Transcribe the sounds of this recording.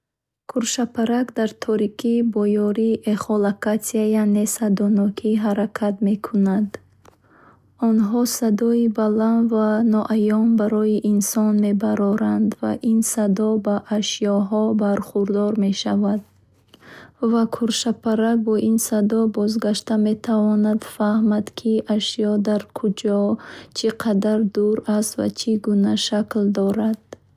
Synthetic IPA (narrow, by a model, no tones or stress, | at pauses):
kʰuɾʃapʰaɾakd̪aɾt̪ʰɔɾikʰibɔjɔɾiʔeχɔlakatiajanesad̪ɔnɔkʰiɦaɾakʰat̪me̞kʰunad̪ | ɔnɦɔsad̪ɔibalanvanɔʔajɔmbaɾɔiʔinsɔnme̞baɾɔɾand̪va̰ʔinsad̪ɔbaʔːʃijɔɦɔbaɾχuɾd̪ɔɾme̞ʃavad̪̥ | vakʰuɾʃapʰaɾabɔʔinsad̪ɔbɔzɡaʃt̪ame̞t̪ʰavɔnad̪fahmad̪kʰiʔaʃijɔd̪aɾkʰud͡ʒɔt͡ʃʰiqʰad̪aɾd̪uɾast̪va̰t͡ʃʰiɡunaʃakld̪ɔɾad̪̥